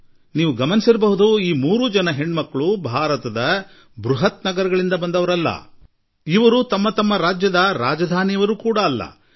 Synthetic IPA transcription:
niːʋuɡɐmɐnisiɾɐbɐɦud̪uiːmuːɾud͡ʒɐnɐɦe̞ɳːmɐkːɐɭubʱaːɾɐt̪ɐd̪ɐ | bɾuɦɐt̪nɐɡɐɾɐɡɐɭind̪ɐbɐnd̪ɐʋɐɾɐlːɐ̰ | iʋɐɾut̪ɐmːɐt̪ɐmːɐɾaːd͡ʒjɐd̪ɐɾaːd͡ʒɐd̪ʱaːnijɐʋɐɾuːkuːɽɐːlːɐ̰

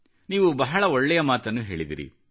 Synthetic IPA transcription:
niːʋubɐɦɐɭɐɔɭːɛjɐmaːt̪ɐnːuɦe̞ːɭid̪ḭɾḭ

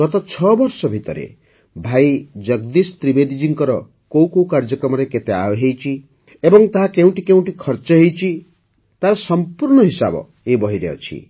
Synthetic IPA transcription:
ɡɔt̪ɔt͡ʃʰɔbɔɾsɔbʱit̪ɔɾḛ | bʱajd͡ʒʌɡd̪isɔt̪ɾibed̪id͡ʒiŋkɔɾɔ | kow̃kowkaɾd͡ʒɔkɾɔmɔɾeket̪ea̰ɔɦejt͡ʃʰi | ebɔŋt̪aɦakeũʈikeũʈikʰɔɾt͡ʃɔɦejt͡ʃʰi | t̪aɾɔsɔmpuɾɳ̃ɔɦisa̰bɔ̰ | ebɔɦiɾeɔ̰t͡ʃʰḭ

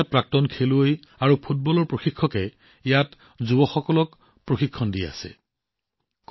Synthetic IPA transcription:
at̚pɹak̚tɔnkʰeluoj | aɹupʰut̚bɔlɔɹpɹoxikʰːɔkɛ | ijat | zubɔxɔkɔlɔk | pɹoxikʰːɔndiɛa̰sɛ̰ | k

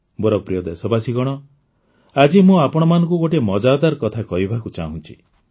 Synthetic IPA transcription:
boɾɔpɾijɔd̪esɔbasiɡɔɽ̃ɔ | ad͡ʒimũapɔɽ̃ɔmanɔ̃ŋkuɡoʈemɔd͡ʒad̪aɾkɔt̪ʰakɔɦibʱakut͡ʃa̰ɦũnt͡ʃʰi

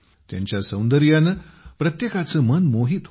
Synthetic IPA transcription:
t̪ja̰ɲt͡ɕjasə̃wnd̪əɾjanəpɾət̪jekat͡səmənmoɦiːt̪

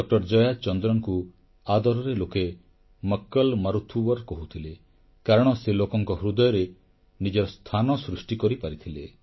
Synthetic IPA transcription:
ɖɔk̚ʈɔɾd͡ʒɔjad̪̚t͡ʃɔnd̪ɾɔŋku | ad̪ɔɾɔɾeloke | mɔkːɔlmaɾut̪ʰubɔɾkɔɦut̪ʰile | kaɾɔɽ̃ɔselokɔŋkɔɦɾud̪ɔjɔɾe | nid͡ʒɔɾɔst̪ʰanɔsɾusʈikɔɾipaɾit̪ʰile

